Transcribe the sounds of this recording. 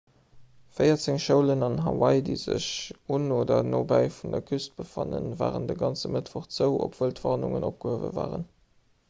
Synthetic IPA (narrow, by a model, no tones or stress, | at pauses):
fəɪɐt͡seŋʃəʊlənɑnɦɑwɑɪdiɪzəɕunoːdɐnoːbæɪfundɐkʰyst̚b̥əfɑnənva̰ːʁəndəɡɑnt͡səmətvoχz̥əʊʔopvəltvɑːʁnuŋənop̚ɡ̥əhəvə̰vaːʁən